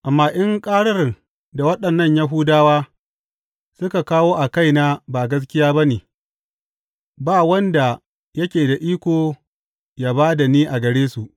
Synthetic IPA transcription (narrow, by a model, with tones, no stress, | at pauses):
ʔa˨mːaː˨ʔɪ˦ŋkʼaː˦ɽɐ˦r | da˨wɐ˦ɗɐ˨nːɐ˦˨ɲja˦ɦʊ˦daː˦waː˦ | sʊ˦ka˨kaː˦woː˦ʔa˨ka˦˨jna˦ba˨ɡɐ˦s̬kʲɪ˦jaː˦ba˦neː˨ | baː˦wɐ˦nda˨ | jɐ˦kʲeː˨da˨ʔiː˦kʷoː˨ | jaː˦baː˦da˨niː˦ʔa˨ɡɐ˨ɽeː˦su˨ʔ